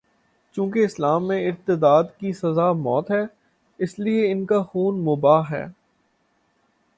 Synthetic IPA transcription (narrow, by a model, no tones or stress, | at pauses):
t͡ʃũːkeɪslaːmːẽɪɾt̪ɪd̪aːd̪kisɐzaːmɔːt̪ɦɛː | ɪslieɪnkaxuːnmʊbaːɦɛ̰ː